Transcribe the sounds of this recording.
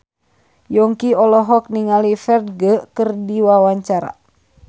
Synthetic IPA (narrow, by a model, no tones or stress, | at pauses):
jɔŋkiɔlɔɦɔk̚niŋalifɛrd̪̚ɡəkərdiwawaɲt͡ʃaɾa̰